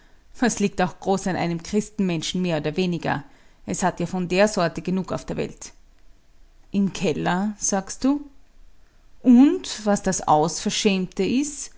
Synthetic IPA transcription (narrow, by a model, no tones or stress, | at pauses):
vasliːk̚taʊxɡ̥ʁoːsanʔa̰ɪnəmkʁ̥ɪstn̩mɛnʃn̩meːɐoːdɐveːnɪɡɐ̰ʔɛshatjaːfɔndeːɐzɔɐtəɡ̥ənuːka̰ʊfd̥eːɐvɛ̰lt | ʔɪmkʰɛlɐz̥aːkst̚d̥uː | ʔʊntvasd̥asa̰ʊsfɛɐʃɛːmtəɪst